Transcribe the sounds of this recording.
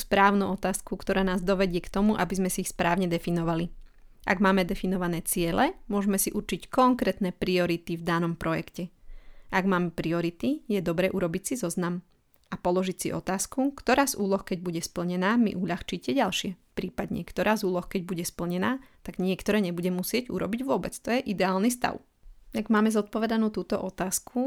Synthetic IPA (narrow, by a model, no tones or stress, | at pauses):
uspɾaːʊnuɔt̪aːskukt̪ɔɾaːnaːzd̪ɔʋɛɟɪɛkt̪ɔmuʔa̰bizmɛsiixspɾaːʊɲɛd̪ɛfinɔʋali | ʔa̰ɡmaːmɛd̪ɛfinɔʋanɛːt͡sɪɛlɛmʊɔʒmɛsiʔuɾt͡ʃickɔŋkɾɛːt̪nɛːpɾiɔɾit̪ivd̪anɔmpɾɔjɛ̰kcɛʔaɡmaːmɛpɾiɔɾit̪ijɛd̪ɔbɾɛːʔuɾɔbicsizɔznam | apɔlɔʒicsḭʔɔ̰t̪aːskukt̪ɔɾaːzuːlɔxkɛɟbuɟɛspl̩ɲɛnaːmḭʔuʎaxt͡ʃicɛɟalʃɪɛpɾiːpad̪ɲɛ̰kt̪ɔɾaːzuːlɔxkɛɟ̚buɟɛspl̩ɲɛnaːt̪aɡɲɪɛkt̪ɔɾɛːɲɛbuɟɛmusɪɛɟṵɾɔbiɟʋʊɔbɛt͡st̪ɔjɛʔid̪ɛaːlnist̪a̰ʊ | aɡmaːmɛzɔt̪̚pɔʋɛd̪anuːt̪uːt̪ɔʔɔt̪aːskʰu